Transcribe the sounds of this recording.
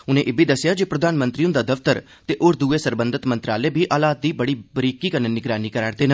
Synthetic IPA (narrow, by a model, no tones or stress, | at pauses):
ʊnẽːʔeːbʱiːd̪əsːjaːd͡ʒepɾəd̪aːnmə̃nt̪ɾiːũd̪aːd̪əft̪əɾ | t̪eːʔoːɾd̪uːeːsəɾbə̃nd̪ət̪mə̃nt̪ɾaːleːbiːʔaːlaːt̪̚d̪iːbəɽiːbəɾiːkiːkənənɪɡɾaːniːkəɾaːɽd̪eːnə